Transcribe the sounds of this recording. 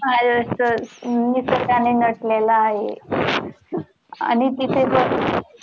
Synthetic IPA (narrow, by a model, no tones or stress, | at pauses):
aəəmiːsəkanenəʈlelaːɦḛ | a̰nit̪it̪ʰebəɾ